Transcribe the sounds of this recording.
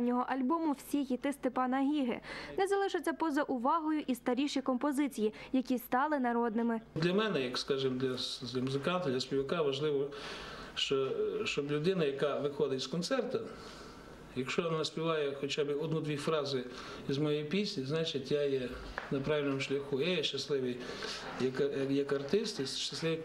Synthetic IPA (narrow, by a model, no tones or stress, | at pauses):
nʲːɔɦɔʔɐlʲbɔmʊwsʲixʲit̪ɪst̪ɪpɑnɐɦʲiɦḛnɛzɐlˠɪʃɪt͡sʲːɐpɔzɐʔʊʋɑɦɔjʊʔist̪ɐɾʲiʃijkɔmpɔzɪt͡sʲijijɐkʲist̪ɑlˠɪnɐɾɔd̪nɪmɪd̪lʲɐmɛnɛjɐkskɑʒɪmd̪lʲɐd̪lʲɐmʊzɪkɑnt̪ɐd̪lʲɐspʲiʋɐkɑʋɐʒlˠɪʋɔ | ʃt͡ʃɔʃt͡ʃɔblʲʊd̪ɪnɐjɐkɑʋɪxɔd̪ɪt̪ʲskɔnt̪sɛrt̪ɐ | jɐkʃt͡ʃɔnnɐsʲpʲiʋɑjɛxɔt͡ʃɑbɪɔd̪nud̪ʋʲifɾɑzɪ | izmɔjɛjpʲisʲnʲiznɑt͡ʃɪtʲjajɛnɐpɾɑʋʲilʲnɔmʊʃlʲɐxujajɛʃt͡ʃɐslˠɪʋij | jɐkjɐkɐrt̪ɪst̪iʃt͡ʃɐslˠɪʋi